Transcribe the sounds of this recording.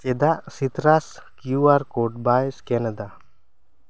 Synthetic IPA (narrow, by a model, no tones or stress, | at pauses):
t͡ʃɛd̪aʔsit̪ɾaskjuaɾkoʈ̚baskɛnəd̪a